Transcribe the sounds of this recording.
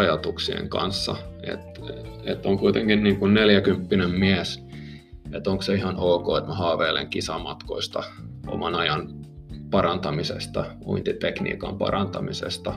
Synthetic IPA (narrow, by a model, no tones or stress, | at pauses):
ɑjɑt̪uksḭḛŋkɑ̰nsːɑ̰ḛt̪et̪ːoŋkuit̪eŋkinniːŋkunneljækympːinemmiæs | et̪oŋkseihɑnoːkoːet̪mæhɑːʋeːlḛŋkisɑmɑt̪koist̪ɑo̰mɑnɑjɑn | pɑrɑnt̪ɑmisḛst̪ɑṵint̪it̪eknḭːkɑmpɑ̰rɑnt̪ɑmisḛst̪ɑ